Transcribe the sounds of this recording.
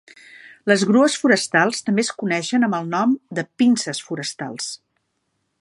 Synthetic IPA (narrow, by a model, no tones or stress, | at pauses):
ləzɣɾuəsfuɾəst̪alˠst̪əmbeskunɛʃənəmbəlˠnɔmd̪əpinsəsfuɾəst̪a̰lˠs